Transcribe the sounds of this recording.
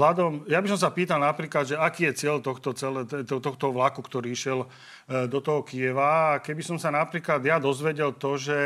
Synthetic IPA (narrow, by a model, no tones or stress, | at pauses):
lad̪ɔmjabis̬ɔms̬apiːt̪alnapɾiːklad̪ʒɛakiːjɛt͡sɪɛlt̪ɔxt̪ɔt͡sɛlɛt̪ɛt̪ɔt̪ɔxt̪ɔʋlakukt̪ɔɾiːʃɪɛl | d̪ɔt̪ɔɦɔkiɛʋaːkɛbisɔmsanapɾiːklad̪jad̪ɔzʋɛɟɛlt̪ɔʒɛ